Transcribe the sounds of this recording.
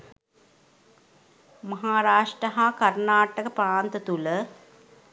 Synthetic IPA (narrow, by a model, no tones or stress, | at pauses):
mɐɦaːɾaːʂʈrəɦakɐrnaːʈəkəpɾaːnt̪ət̪ulə